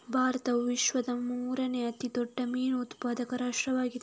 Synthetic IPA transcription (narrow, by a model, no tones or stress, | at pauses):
bʱaːɾɐt̪ɐʋiʃʋɐd̪ɐmuːɾɐneɐt̪id̪ɔɖːɐmiːnut̪paːd̪ɐkɐɾaːʂʈɾɐʋaːɡid̪